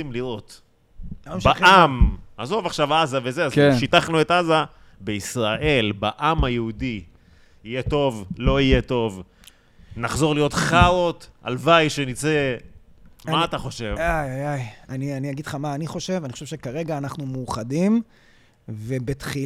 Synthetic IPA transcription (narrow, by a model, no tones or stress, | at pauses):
imliʁo̞t̪ | baamazo̞vaχʃavazavezeazeʃit̪aχnue̞t̪aza | beisʁaʔe̞lbaʔamajeudi | ijeto̞vlo̞ijeto̞v | naχzo̞ʁlijo̞t̪χaot̪a̰lvajʃenit͡se | mmaat̪aχo̞ʃe̞vajajajanianiaɡid̪χamaːniχo̞ʃe̞vanixoʃevʃekaʁe̞ɡaːnaχnumuːχadim | vebet̪χi